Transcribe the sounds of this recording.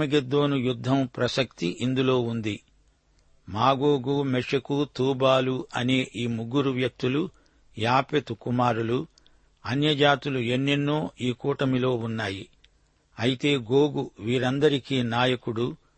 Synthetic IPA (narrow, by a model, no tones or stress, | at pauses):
ɐɡed̪ːo̞ːnujud̪ʱːɐmpɾɐsɐkt̪iʔind̪ulo̞ːund̪i | maːɡoːɡumɛʂɐkut̪uːbaːluɐne̞ːʔiːmuɡːuɾuʋjɐk̚t̪ulu | jaːpet̪ukumaːɾulu | ɐnjɐd͡ʒaːt̪uluenːinːoːʔiːkuːʈɐmilo̞ːunːaːji | ɐjit̪e̞ːɡoːɡuʋiːɾɐnd̪ɐɾikiːnaːjɐkuɽu